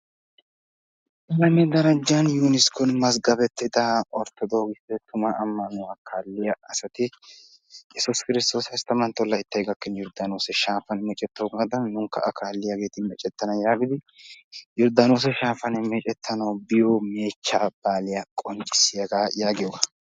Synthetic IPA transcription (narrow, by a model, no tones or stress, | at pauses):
ɪlɐmɛd̪ɐɾɐd͡ʒːanjuːnɪskʊnmɐs̬ɡɐbɛt̪ːɪd̪ɐʔɔɾt̪ːɔd̪ɔɡɪst̪ɛt̪ʊmɐʔɐmːɐnʊwaːkʰaːlːɪjɐɐsɐt̪ɪ | jɛsʊskɪɾɪst̪o̞ːsɐst̪ɐmɐnt̪ːɔlːɐɪt̪ːɐjɡɐkːɛnjɔɾd̪anoːsɛʃaːfɐnmɛt͡ʃʼɛt̪ːɐwɡaːd̪ɐnːʊŋkːɐ̰ʔɐkʰaːlːɪjɐɡe̞ːt̪ɪmɛt͡ʃʼɛt̪ːɐnɐjaːɡɪd̪ɪ | jɔɾd̪anoːs̬ɛʃaːfɐnmɛt͡ʃʼɛt̪ʰːɐnɐwbɪjoːme̞ːt͡ʃːaːb̥aːlɪjɐkʼɔnt͡ʃʼɪ̥sɪjɐɡaːjaːɡɪjɔɡɐ